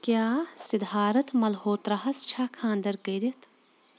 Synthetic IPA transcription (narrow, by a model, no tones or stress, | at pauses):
kjaːsɪd̪ʱaːɾɐt̪mɐlhoːt̪ɾɐɦɐst͡ʃʰaːkʰãːnd̪ɐɾkɐɾit̪ʰ